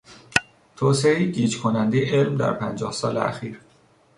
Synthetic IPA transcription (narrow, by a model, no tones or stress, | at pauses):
t̪ʰoːseejiɟiːd͡ʒkʰonænd̪ejeʔelmd̪æ̰ɾpʰænd͡ʒɒːhsɒːleæ̰xiːɾ